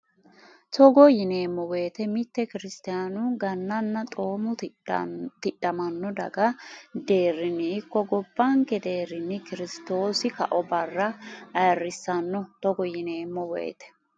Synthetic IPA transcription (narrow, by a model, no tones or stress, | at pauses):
t̪ɔɡɔjɪneːmːɔwe̞ːt̪ɛmɪt̪ːɛkɪɾɪst̪ɪjanʊɡɐnːɐnːɐt̪ʼo̞ːmʊ | t̪ɪᶑːɐmɐnːɔd̪ɐɡɐd̪e̞ːɾːɪnːɪɪkːɔɡɔbːɐŋkɛd̪e̞ːɾɪnːɪkɪɾɪst̪o̞ːsɪkɐʔɔbɐrːɐɐjɐrːɪsːɐnːɔt̪ɔɡɔjɪne̞ːmːɔwḛːt̪ɛ̥